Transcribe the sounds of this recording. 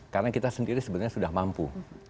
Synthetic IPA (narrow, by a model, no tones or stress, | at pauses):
kaɾənakit̪asəndiɾisəbənɲasudahmampṵ